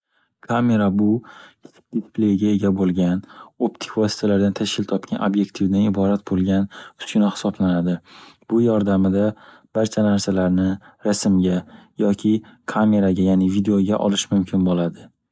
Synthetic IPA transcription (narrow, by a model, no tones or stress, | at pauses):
kʰame̞ɾabʊkʲʰɪ̥t͡ʃ̪ʰɪ̥k̚ʲd̪isplejɡʲae̞ɡʲabolˠɡʲanopt̪ʰɪ̥kvɒsi̥t̪ʰalaɾd̪ant̪ʰaʃkʲʰɪlt̪ʰɒp̚kʲʰanʔobje̞k̚ʲt̪ʰivd̪anɪbɒɾat̪̚bolˠɡʲanʊ̥skʲʊnahɪ̥sɒblanad̪ɪb̥ʊjɒɾd̪amɪd̪a | b̥aɾt͡ʃʰanaɾsalaɾnɪɾasɪmɡʲajɒkʲʰɪkʰame̞ɾaɡʲajanɪvid̪eoɡʲaʔɒ̰lɪʃmʊmkʲʰɪnbolad̪ɪ